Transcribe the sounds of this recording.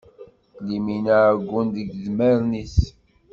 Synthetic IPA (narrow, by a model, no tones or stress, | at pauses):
liminaɡʷːund̪əɡðməɾnis